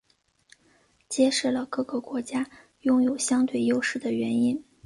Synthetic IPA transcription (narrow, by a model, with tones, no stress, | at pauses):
t͡ɕjɛ˥ʂɻ̩˥˩lə˩kɤ˥˩ɡə˧˩kwɔ˧˥t͡ɕja˥ | jʊ˥˧ŋjo˨˩ʊɕjɑ˥ŋt̪we˥˩ɪjo˥ʊʂɻ̩˥˩d̪ə˩ɥɛ˧˥ni˥n